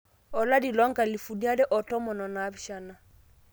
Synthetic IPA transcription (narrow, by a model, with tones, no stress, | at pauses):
ɔ˨la˦di˨lɔ˦ŋ˦ka˨li˨fu˨ni˦a˦dɛ˦ʔɔ˨tɔ˦mɔ˨nɔ˨na˨˦bi˦ʃa˦˨na˨